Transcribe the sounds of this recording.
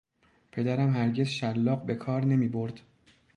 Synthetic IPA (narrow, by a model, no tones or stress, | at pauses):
pʰe̞d̪æɾæmhæɾɟe̞zʃælːɒːɢbe̞kʰɒːɾne̞miːbo̞ɾd̪̥